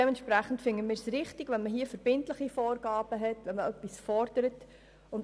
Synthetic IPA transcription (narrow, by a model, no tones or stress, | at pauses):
ɛmɛntʃpɾæχən̩tfɪŋːəmɪːɾsrɪχtiɡ̥ʋɛnməɦiːəfəɾb̥ɪntləχifɔːrɡɑːb̥əɦɛtʋɛnməœpːisfɔrd̥əɾət | ʊn